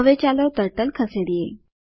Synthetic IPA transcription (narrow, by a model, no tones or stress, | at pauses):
ʋet͡ɕaləwt̪əɾʈəlkʰəseɽije